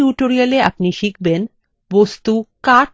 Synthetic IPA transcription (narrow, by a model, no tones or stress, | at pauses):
uʈoɾialea̰pniʃik̚ʰben | bost̪ukaʈ